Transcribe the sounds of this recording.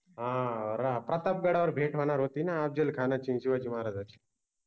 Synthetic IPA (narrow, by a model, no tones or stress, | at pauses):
ɦãɾapɾɐt̪ap̚ɡɐɽaʋəɾbʱeːʈʰʋanaːɾɦoːt̪inaːp̚d͡ʒelkʰaːnat͡ʃʰĩsiʋaːd͡ʒimaːɾad͡zat͡ʃʰi̥